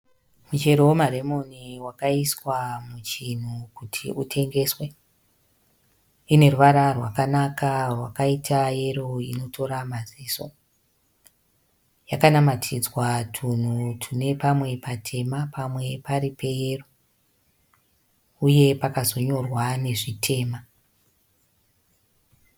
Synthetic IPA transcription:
mut͡ʃe̞ɾomare̞mo̞niwakaiswamut͡ʃin̤ukutʰḭʔutʰe̞ŋɡe̞ːswe̞ | ine̞ruʋaɾarwakanakarwakaitʰaje̞ro̞ino̞tʰo̞ɾamaziːso̞ | jakanamatʰid͡zwatʰun̤utʰune̞pamwe̞patʰe̞mapʰamwe̞paɾipʰe̞jero | uje̞pakazo̞ɲo̞rwane̞ʐitʰe̞ːma

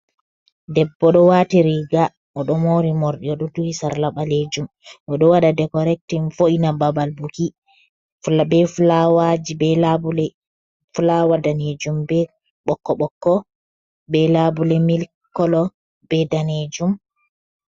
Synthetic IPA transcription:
dɛbːɔɗɔwaːtiɾiɡa | ɔɗɔmoɾimoɾɗiɔɗɔduhisaɾlaɓaled͡ʒum | ʔɔɗɔwaɗadɛkɔɾɛk̚tinfoinababalbuki | bɛflawad͡ʒibɛlabulɛ | fulawadaned͡ʒumbɛ | ɓɔkːɔɓɔkːɔ | bɛlabulɛmil | kːɔlɔ | b̥ɛdaned͡ʒum

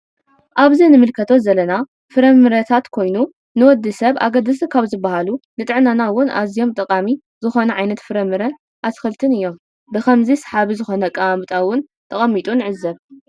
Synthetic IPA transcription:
ʔaβzinɨmɨlkʰɐt̪ʰo̞zɐlɐna | fɨɾɐmɨɾɐt̪ʰat̪kʰo̞jnu | nɨwɔd̪ːɨsɐβʔa̰ɡɐd̪ɨsɨkʰaβzɨbːahalunɨt̪ʼɨʕnanawʊnʔa̰zijo̞mt̪ʼɐkʼami | zɨxo̞nɐʕajnɐt̪fɨɾɐmːɨɾɐ | ʔasxɨlt̪ʰɨnɨjːo̞m | bɨkʰɐmzisħaβizɨxo̞nɐkʼaamɨt̪ʼawʊn | t̪ʰʼɐχʼɐmːit̪ʼunɨʕɨzːɐβ

